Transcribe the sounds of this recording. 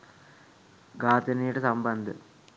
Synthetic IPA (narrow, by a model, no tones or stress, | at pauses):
ɡaːt̪ɐniːɽɨsɐmbɐnd̪ɨ̰